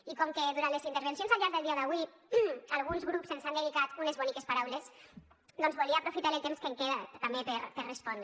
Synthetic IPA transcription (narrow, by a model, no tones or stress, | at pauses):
ikɔmkeðuɾant̪lezint̪əɾβensionzalʎaɾðelˠd̪iaðaβwi | alˠɣunzɣɾupsenzand̪eðikat̪unezβunikespaɾawles | d̪ɔnzβulˠiaːpɾufit̪aɾelt̪emskeŋkeðat̪ambepeɾpeɾrespɔnd̪ɾ